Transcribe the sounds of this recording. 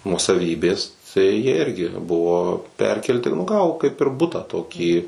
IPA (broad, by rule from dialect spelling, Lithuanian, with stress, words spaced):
nuɔsɐˈʋʲiːbʲeːs tɐɪ jiɛ ˈɪrʲɡʲɪ ˈbʊʋoː ˈpʲɛrʲkʲɛlʲtʲɪ nʊ ˈɡɑːʋoː kɐɪp ɪr ˈbʊtɑː ˈtoːkʲiː